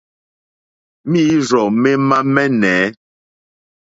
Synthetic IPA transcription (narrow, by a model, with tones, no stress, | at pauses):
miː˦ɾɔ˨mɛ˦ma˦mɛ˦nɛː˨˦